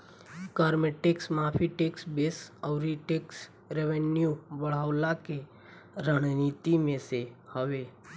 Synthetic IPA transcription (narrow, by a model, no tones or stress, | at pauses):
kaɾmeʈeksmaːpʰiʈeksbesəʊɾiʈeks | ɾeʋenjubəɽ̤awlake | ɾəɽ̃nit̪imẽsehəʋe